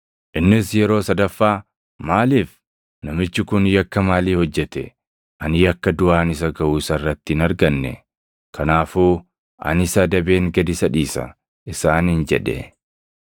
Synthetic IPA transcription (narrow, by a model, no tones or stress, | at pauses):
ʔɪnːɪsjɛɾo̞ːsɐd̪ɐfːaː | maːliːf | nɐmɪt͡ʃːɪkʊnjɐkːɐmaːliːhɔd͡ʒːɛt̪ɛ̰ | ʔɐnɪjɐkːɐd̪ʊʔaːnɪsɐɡɐʔuːsɐrːɐt̪ːɪɪnɐɾɡɐnːɛ̰ | kʰɐnaːfuː | ʔɐ̰nɪsɐd̪ɐbe̞ːŋɡɐd̪ɪsɐᶑiːsɐ̰ | ʔɪsaːnɪnd͡ʒɛ̰ᶑɛ̰